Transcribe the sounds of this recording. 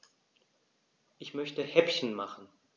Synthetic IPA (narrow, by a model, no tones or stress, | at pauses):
ʔɪçmœçtəhɛpçn̩maχn̩